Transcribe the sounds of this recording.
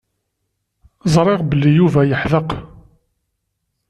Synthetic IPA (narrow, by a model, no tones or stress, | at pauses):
zˤɾˤeʁbəlːijuvæjəħðəq